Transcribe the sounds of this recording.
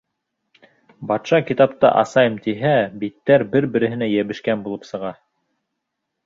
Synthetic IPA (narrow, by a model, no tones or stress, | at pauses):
bɑt̪ʃɑkit̪ɑp̚t̪ɑ̰ʔɑ̰sɑjɤmt̪iɦæbit̪ːæɾbɘɾbɘ̆ɾɘ̆ɦɘ̆næjæβɘ̆ʃkænbulˠɤp̪sɤ̆ʁɑ